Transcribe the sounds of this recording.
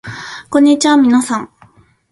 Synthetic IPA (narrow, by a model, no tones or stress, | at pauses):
kõ̞ɲ̟ːit͡ɕiamʲinasãŋ